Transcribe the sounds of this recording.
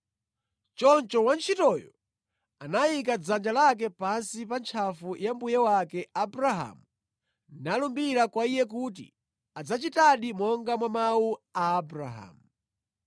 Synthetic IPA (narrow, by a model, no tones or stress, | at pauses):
t͡ʃɔnt͡ʃɔwant͡ʃʰitɔjɔ | anajik̬ad͡zand͡ʒalak̬ɛpansipant͡ʃʰafujambujɛwakɛabɾaɦa̰mu | nalumbiɾakwaijɛk̬ut̬ḭ | ad͡zat͡ʃitaɗimɔŋɡamwamawuaːbɾa̰ɦa̰mu